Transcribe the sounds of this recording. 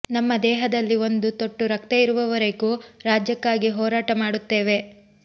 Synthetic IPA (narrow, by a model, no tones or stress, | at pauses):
nɐmːɐd̪ɛːɦɐd̪ɐlːio̞nd̪ut̪oʈːuɾɐk̚t̪eiɾuʋɐʋɐɾeɡuːɾaːd͡ʒjɐkːaːɡiɦɔːɾaːʈɐmaːɽut̪ːe̞ːʋe̞